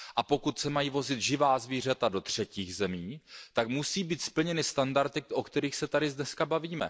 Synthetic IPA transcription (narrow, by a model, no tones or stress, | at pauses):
ʔapo̞kut̪sɛmajiːvo̞zɪt̪ʒɪvaːzviːr̝at̪ado̞t̪r̝̥ɛciːɣzɛmiːt̪akmusiːbiːt̪spl̩ɲɛnɪst̪andaɾt̪ɪkʔokt̪ɛɾiːxsɛt̪aɾɪzdnɛskabaviːmɛ̰